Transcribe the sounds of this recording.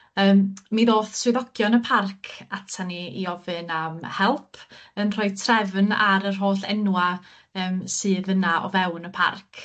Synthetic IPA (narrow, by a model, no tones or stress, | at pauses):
əːmmiðoːθswɪðɔkjɔnəpʰarkʰatʰaniiɔvɨnamhɛlˠpʰənr̥ɔɨtʰrɛvnaɾər̥ɦoːɬɛ̰nwa | əːmsɨːðənaʔɔ̰vɛwnəpʰa̰rkʰ